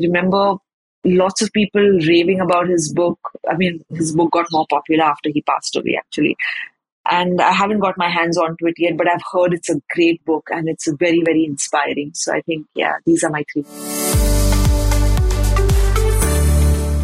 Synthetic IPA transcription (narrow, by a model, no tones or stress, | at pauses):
ɾɪmɛ̃mbə | lɔːʈsɔv̥piːpəlɾeːʋɪ̃ŋəbaʊʈ̚hɪzbʊka̰ɪmĩːnhɪzbʊk̚ɡɔʈ̚mɔːɾpɔpjʊləɾaːfʈəɾɦiːpa̰sʈə̰wḛæ̰k̚t͡ʃuəlḭ | ʔæ̃ɳɖa̰ɪɦæʋə̃nʈ̚ɡɔʈ̚maɪɦæ̃ndzɔ̃nʈwɪʈjɛʈ̚bʌʈaɪvhɜːɖɪʈsəɡɾeːʈ̚bʊkʰæ̃nɪʈsvɛɾivɛɾiɪ̃nspaɪɾɪ̃ŋsoːa̰ɪt̪ʰɪ̃ŋkjæ̰d̪iːzəːɾmaɪt̪ʰɾiːkɪ̃s